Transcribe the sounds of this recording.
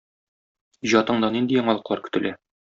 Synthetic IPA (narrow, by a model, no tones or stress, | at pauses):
ʑɒt̪ɤ̆ɴd̪ɑnind̪ijɒɴɑlˠɤ̆qlˠɑɾkɵ̥̆t̪ɘ̆læ